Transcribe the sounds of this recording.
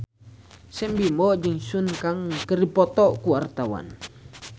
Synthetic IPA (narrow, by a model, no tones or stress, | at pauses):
sɛmbimɔʔd͡ʒəŋsunkaŋkəripɔt̪ɔʔkuwart̪awa̰n